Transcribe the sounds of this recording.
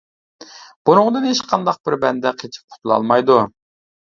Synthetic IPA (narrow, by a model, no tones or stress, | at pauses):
b̥unʊŋd̪ɨnhet͡ʃqʰɑnd̪ɑq̚b̥ɪɾbɛnd̪ɛqʰet͡ʃʰi̥p̚qʰʊ̥t̪ʰulˠɑ̰lˠmɑjd̪u